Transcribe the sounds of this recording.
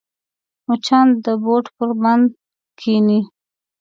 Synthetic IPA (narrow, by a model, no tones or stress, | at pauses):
mut͡ʃɑnd̪əboʈpəɾband̪ | kʰini